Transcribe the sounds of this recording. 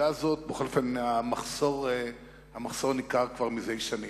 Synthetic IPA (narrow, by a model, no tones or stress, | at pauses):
azo̞t̚beχo̞lofenhamaχso̞ʁe | hamaχso̞ʁnikaʁkvaʁmizejʃani